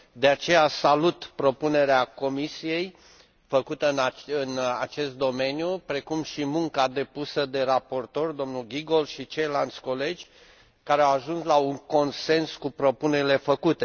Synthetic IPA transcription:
d̪e̞at͡ʃe̞jasalut̪pɾo̞pune̞ɾeako̞misije̞j | fəkut̪əɨnaɨna̰t͡ʃe̞st̪̚d̪o̞me̞njupɾe̞kumʃimuŋkad̪e̞pusəd̪e̞ɾapo̞rt̪o̞rd̪o̞mnulɡʲiɡo̞lʃit͡ʃejlant̪sʲko̞le̞d͡ʒʲ | kaɾeawaʒunslauŋko̞nse̞nskupɾo̞pune̞ɾile̞fəkut̪e

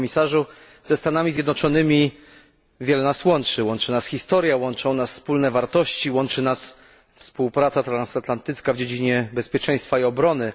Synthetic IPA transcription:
mʲisaʐu | z̥ɛst̪anamʲizʲjɛd̪nɔt͡ʂɔnɘmʲi | vʲjɛlɛnaswɔnt͡ʂɘwɔnt͡ʂɘnasxʲist̪ɔɾjawɔnt͡ʂɔ̃nasfspulnɛvaɾt̪ɔɕt͡ɕiwɔnt͡ʂɘnas | fspuwpɾat̪sat̪ɾansat̪lant̪ɘt̪skavd͡ʑed͡ʑiɲɛbɛspʲjɛt͡ʂɛj̃st̪faiɔbɾɔnɘ

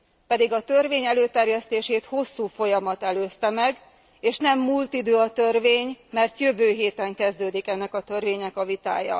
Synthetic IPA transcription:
pɛd̪iɡɒt̪ø̞rveːɲɛløːt̪ɛrjɛst̪eːʃeːt̪ho̞sːuːfo̞jɒmɒt̪ɛløːst̪ɛmɛɡ | eːʃnɛmːuːlt̪id̪øːɒt̪ørveːɲmɛrt̪jøvøːɦeːt̪ɛŋkɛzd̪øːd̪ikɛnːɛkɒt̪ø̞rveːɲɛkɒvit̪a̰ːjɒ̰

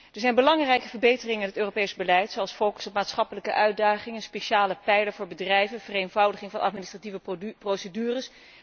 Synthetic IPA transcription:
əɹzɛjnbəlɑŋrɛjkəvəɹbejtərɪŋəɪnɦətøːropejzbəlɛjtsowɑlˠsfowkə̥sɔpmaːtsχɑpələkəʔœɥd̚aːχɪŋənspeʃaːləpɛjləvʊːɹbədrɛjvənv̥ərejnvɑwdəχɪŋvɑnɑ̰t̚ministrativəprowsədyːrəs

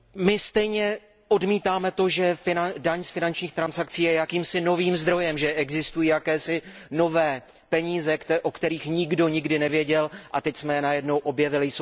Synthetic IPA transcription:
mɪst̪ɛjɲɛ | ʔo̞dmiːt̪aːmɛt̪o̞ʒɛfɪnadaɲsfɪnant͡ʃɲiːxt̪ɾansakt͡siːjɛjakiːmsɪno̞viːmzd̪ɾo̞jɛmʒɛʔɛɡzɪst̪ujiːjakɛːsɪno̞vɛː | pɛɲiːzɛkʔokt̪ɛɾiːxɲɪɡdo̞ɲɪɡdɪnɛvjɛɟɛlʔat̪ɛcsmɛjɛnajɛdno̞wʔo̞bjɛvɪlɪjso

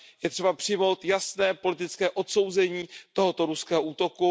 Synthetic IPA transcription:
jɛt̪r̥ɛbapr̝̥ɪjmo̞wt̪jasnɛːpo̞lɪt̪ɪt͡skɛːʔo̞t̪so̞wzɛɲiːt̪o̞ɦot̪o̞ɾuskɛːɦoʔuːt̪o̞ku

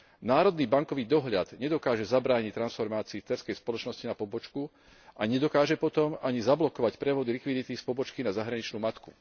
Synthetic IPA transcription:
naːɾɔd̪niːbaŋkɔʋiːd̪ɔɦʎad̪̥ɲɛd̪ɔkaːʒɛzabɾaːɲict̪ːɾansfɔɾmaːt͡siːft̪ɛɾskɛjspɔlɔt͡ʃnɔscinapɔbɔt͡ʃku | ʔaɲɛd̪ɔkaːʒɛpɔt̪ɔmaɲizablɔkɔʋacpɾɛʋɔd̪ilikʋid̪it̪ispɔbɔt͡ʃkinazaɦɾaɲit͡ʃnuːmat̪ku̥

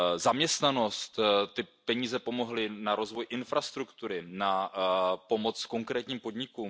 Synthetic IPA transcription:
zamɲɛst̪nano̞st̪t̪ɪpɛɲiːzɛpo̞mo̞ɦlɪnaɾo̞zvo̞jʔɪnfɾast̪ɾukt̪uɾɪna | po̞mo̞t͡sko̞ŋkɾɛːt̪ɲiːmpo̞d̪ɲɪkuːm

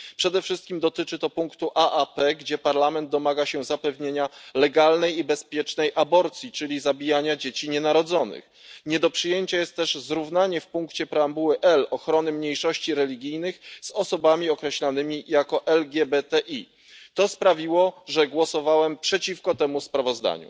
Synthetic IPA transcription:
pʂɛd̪ɛfʂɘst̪̚kʲimd̪ɔt̪ɘt͡ʂɘt̪ɔpuŋkt̪uʔaʔapɛɡd͡ʑɛpaɾlamɛnd̪̚d̪ɔmaɡaɕɛzapɛvɲeɲalɛɡalnɛjibɛspʲjɛt͡ʂnɛjʔabɔɾt̪sʲjit͡ʂɘlʲizabʲijaɲad͡ʑet͡ɕiɲɛnaɾɔd̪zɔnɘ̰x | ɲɛd̪ɔpʂɘjeɲt͡ɕajɛst̪ːɛʐzɾuvnaɲɛfpuŋkt͡ɕɛpɾɛambuwɘʔɛlɔxɾɔnɘmɲejʂɔɕt͡ɕiɾɛlʲiɡʲijnɘxz̥ɔsɔbamʲiɔkɾɛɕlanɘmʲijakɔʔɛlɡʲjɛbɛt̪ɛʔi | t̪ɔspɾavʲiwɔʐɛɡwɔsɔvawɛmpʂɛt͡ɕifkɔt̪ɛmuspɾavɔzd̪a̰ɲṵ

